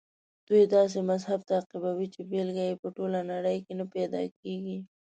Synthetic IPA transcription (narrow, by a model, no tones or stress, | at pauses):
d̪̥ujd̪ɑs̬emazhab̚t̪aːqibawit͡ʃebelɡajepəʈolanaɽəjkenapɛd̪ɑ̰k̚eɡi